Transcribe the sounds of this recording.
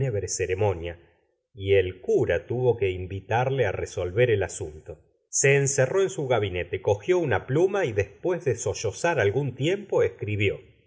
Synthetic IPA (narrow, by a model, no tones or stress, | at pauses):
eβɾeseɾemo̞nja | ielkuɾat̪uβo̞ke̞imbit̪aɾleareso̞lβeɾelasunt̪o | se̞ːnsero̞e̞nsuɣaβine̞t̪e̞ko̞xjo̞unaplumaiðespwe̞zðeso̞ʃo̞saɾalɣunt̪je̞mpo̞ehkɾiβjo̞